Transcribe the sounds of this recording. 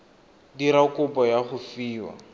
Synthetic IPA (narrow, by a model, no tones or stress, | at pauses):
diɾakʊpɔjaχʊfiːwa̰